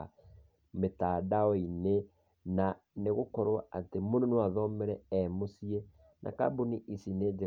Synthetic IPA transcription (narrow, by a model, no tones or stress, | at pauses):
a | metaːdaɔine | na | neɣokɔɾwaatemononwaðɔmɛɾɛɛmosie | nʔa̰ka̰boniʔisined͡ʒe